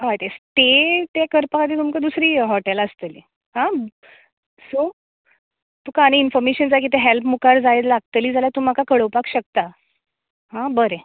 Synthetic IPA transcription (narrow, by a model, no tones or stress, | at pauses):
ɦajt̪est̪et̪ekəɾpəat̪iːt̪̬umkəd̪usɾiːɦɔʈeləst̪elḭ | hã | so | t̪uːkaɽ̃einfɔɾmeɕənd͡zak̬it̪eɦelpmukaɾd͡zajlaɡ̚t̪əliːd͡zʱaljat̪uːm̤akakəɽəwpakɕək̚t̪a | ɦãbəɾe